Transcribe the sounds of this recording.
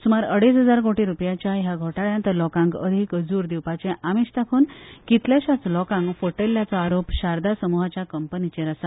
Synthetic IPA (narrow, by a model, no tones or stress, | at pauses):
sumaɾəɽesɦəd͡zaɾkoʈiɾupjat͡ɕjaɦaɡʱoʈaɭjãnt̪əlɔkãŋɡə̰d̪ʱikəd͡zuːɾd̪iwpat͡ɕɛ̃ʔamiɕt̪akʰuːnkit̪ljaɕat͡slɔkãŋɡfoʈeljat͡sɔaɾopɕaɾd̪asəmuɦat͡ɕjakəmpənit͡ɕẽɾəsa